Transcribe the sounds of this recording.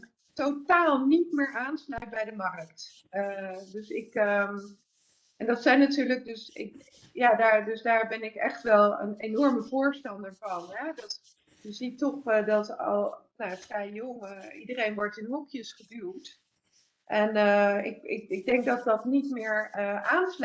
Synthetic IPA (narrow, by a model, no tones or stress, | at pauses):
totaːlˠnitmɪːɹaːnslœɥt̚bɛjdəmɑrkt | ədɵsɪkə | ʔɛndɑtsɛjnatyːɹlək̚dɵsɪ̰k | jaːdaːɹdɵsdaːɹbɛnɪkɛχtʋɛlˠə̰nenɔɹməvʊːɹstɑndəɹvɑnɦɛdɑt | jəzitɔχədɑtɑ̰lˠnajafrɛjjoŋəidərejnʋɔɹtɪnɦɔkjəsχədywt | ʔɛnəɪ̰kɪ̰k̚ɪɡ̚dɛŋk̚dɑt̚dɑtnitmɪːɹəʔaːnsl